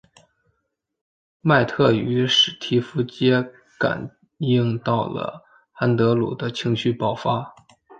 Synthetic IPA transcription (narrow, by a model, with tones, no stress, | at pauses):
ma˥˧ɪt̪ʰɤ˥˩y˧˥ʂɻ̩˨˩t̪ʰi˧˥fu˧˥t͡ɕjɛ˥ | ka̰˨˩n | ji˥˧ŋt̪ɑ˥˩ʊlə̰˩ | xa˥nt̪ɤ˧˥lṵ˨˩d̪ə˦t͡ɕʰi˧˥ŋɕy˥˧pɑ˥˩ʊfa˥